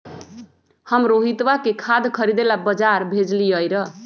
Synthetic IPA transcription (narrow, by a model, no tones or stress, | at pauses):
hʌmɾoɦit̪wakekʰad̪kʰʌɾid̪elabʌd͡zaɾbʱed͡zliʌjɾʌ